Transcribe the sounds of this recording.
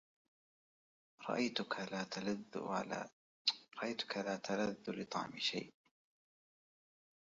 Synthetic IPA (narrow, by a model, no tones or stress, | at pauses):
ɾˤɑ̰ʔajt̪ʊkalaːt̪laðl̰ː | ɾˤɑʔajt̪ʊ̥kalaːt̪ʰalaðːʊlɨt̪ˤɑ̰ʕmɪʃa̰jʔ